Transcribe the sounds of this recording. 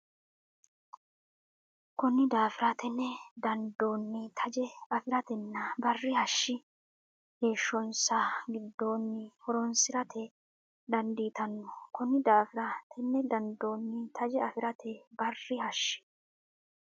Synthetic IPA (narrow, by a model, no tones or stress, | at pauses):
kʊnːɪd̪aːfɪɾɐt̪ʰɛnːɛd̪ɐnd̪o̞ːnːɪt̪ʰɐd͡ʒɛɐfɪɾɐt̪ɛnːɐbɐrːɪhɐʃːɪ | heːʃːɔnsaɡɪd̪ːo̞ːnːɪhɔɾɔnsɪɾɐt̪ʰɛ | d̪ɐnd̪iːt̪ɐnːʊ̥kʊnːɪd̪aːfɪɾɐt̪ʰɛnːɛd̪ɐnd̪oːnːɪt̪ʰɐd͡ʒɛɐfɪɾɐt̪ʰɛbɐrːɪhɐʃːɪ̥